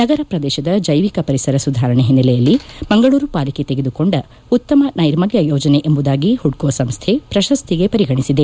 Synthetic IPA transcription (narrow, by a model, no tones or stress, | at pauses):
nɐɡɐɾɐpɾɐd̪ɛːʃɐd̪ɐd͡ʒɐjʋikɐpɐɾisɐɾɐsud̪ʱaːɾɐɳeɦinːɐlɛjɐlːimɐŋɡɐɭuːɾupaːliket̪eɡe̞d̪uko̞ɳɖɐ | ut̪ːɐmɐnɐjiɾmɐɡjɐjoːd͡ʒɐneʔembud̪aːɡihuɽkoʋɐsɐmst̪ʰe̞pɾɐʃɐst̪ʰiɡe̞pɐɾiɡɐɳisid̪e